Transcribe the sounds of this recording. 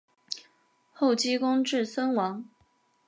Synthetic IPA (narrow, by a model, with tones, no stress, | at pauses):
xo˥˩ʊt͡ɕi˥kʊ˥ŋʈ͡ʂɻ̩˥˩sə˥nwɑ˧˥ŋ